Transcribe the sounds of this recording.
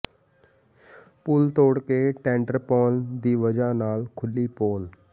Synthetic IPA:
pʊlt̪oːɽkeːʈɛ̃ːɳɖəɾpɔːnd̪iːʋəd͡ʒaːnaːlkʰʊliːpoːl

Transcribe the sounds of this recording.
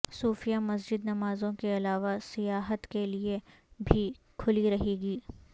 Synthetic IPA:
suːfijamɐs̬d͡ʒɪd̪nɐmaːzõkeɐlaːʋasɪjaːɦət̪kelie | bʱi | kʰʊliɾɐɦeːɡiː

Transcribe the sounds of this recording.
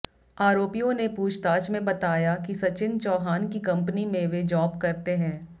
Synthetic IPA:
aːɾoːpijõnepuːt͡ʃʰt̪aːt͡ʃmẽbɐt̪aːjakisɐt͡ʃɪnt͡ʃɔːɦaːnkikɐ̃mpnimẽʋed͡ʒɔːbkɐɾt̪eɦɛ̃ː

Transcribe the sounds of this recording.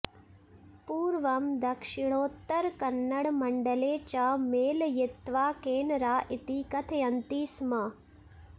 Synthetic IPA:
puːɾʋɐmd̪ɐkʂiɳ̃oːt̪ːɐɾkɐnːɐɽmɐɳɖɐleːt͡ʃameːljet̪ʋaːkeːnɾaːʔit̪ikɐt̪ʰɐjɐnt̪iːsmɐ

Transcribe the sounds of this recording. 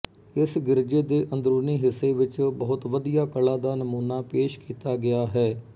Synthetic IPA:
ɪsɡɪɾd͡ʒeːd̪eːʔə̃nd̪ɾuːniːɦɪsːeːʋɪt͡ʃbəɦʊt̪ʋəd̪ijaːkəlaːd̪aːnəmuːnaːpeːʃkiːt̪aːɡɪaːɦɛː

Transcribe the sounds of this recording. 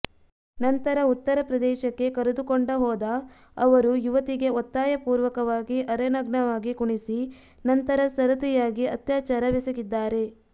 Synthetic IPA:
nɐnt̪ɐɾɐut̪ːɐɾɐpɾɐd̪ɛːʃɐkːe̞kɐɾed̪ukoɳɖɐɦɔːd̪ɐː | ʋɐɾujuʋɐt̪iɡe̞ot̪ːaːjɐpuːɾʋɐkɐʋaːɡiʔɐɾɐnɐɡɳɐʋaːɡikuɳisi | nɐnt̪ɐɾɐsɐɾɐt̪ɛjaːɡiɐt̪jaːt͡ʃaːɾɐʋisɐɡid̪ːaːɾe̞

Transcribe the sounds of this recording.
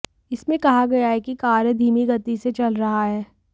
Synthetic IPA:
ɪsmẽkɐɦaɡɐjaɦɛkikaːɾjəd̪ʱiːmiɡɐt̪iset͡ʃɐlɾɐɦaɦɛː

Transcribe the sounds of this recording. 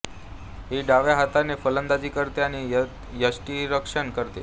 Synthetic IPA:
ɦiɖaʋjaɦat̪anefələnd̪ad͡ʑiːkəɾt̪eani | jəsʈiɾəkʂənkəɾt̪ḛ

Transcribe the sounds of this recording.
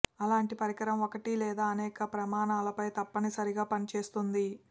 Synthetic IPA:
ɐlaːɳʈipɐɾikɐɾɐmokɐʈilɛːd̪aːɐnɛːkɐpɾɐmaːnaːlɐpɐjt̪ɐpːɐnisɐɾiɡaːpɐnit͡ʃeːst̪und̪i

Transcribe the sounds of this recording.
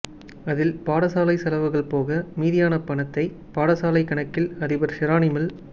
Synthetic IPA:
ɐðɪlpaːɽɐsaːlɐɪsɐlɐʋɐɣɐɭpoːɣɐmiːðɪjaːnɐpɐɳɐt̪ːɐɪ | paːɽɐsaːlɐɪkːɐɳɐkːɪlɐðɪbɐɾsɪɾaːnɪmɐl

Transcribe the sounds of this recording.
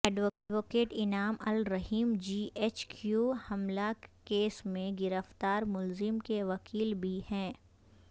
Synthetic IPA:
ɛːɖʋoʋoːkeːʈɪnaːmɐlɾɐɦiːmd͡ʒiːʔeːt͡ʃkjuːhɐmlakeːsmẽɡɪɾəft̪aːɾmʊlzɪmkeʋɐkʰiːlbʱihɛ̃ː

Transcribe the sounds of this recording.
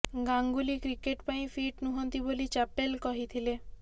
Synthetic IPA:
ɡaŋɡulikɾikeʈpaĩfʰiʈnuɦɔnt̪ibolit͡ʃapelkɔɦit̪ʰile

